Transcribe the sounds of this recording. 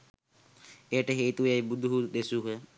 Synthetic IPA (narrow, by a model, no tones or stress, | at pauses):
eʈəɦeːt̪ujajbud̪ʱuɦuɗ̪esuɦə